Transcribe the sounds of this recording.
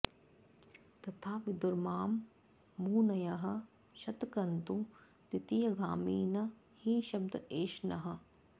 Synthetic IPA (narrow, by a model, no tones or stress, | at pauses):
t̪ɐt̪ʰaːʋɪd̪uɾmaːmː | uːnɐjɐɦɐ̆ | ʃɐt̪kɐnt̪u | t̪it̪ijɐɡʱaːmiːnɐ | hiʃɐb̚d̪ɐeːʃnɐɦɐ̆